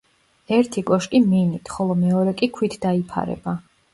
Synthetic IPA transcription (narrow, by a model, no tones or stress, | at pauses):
ɛɾt̪ʰikʼɔʃkʼiminit̪ʰχɔlˠɔmɛɔɾɛkʼikʰwit̪ʰd̪aipʰa̰ɾɛ̰ba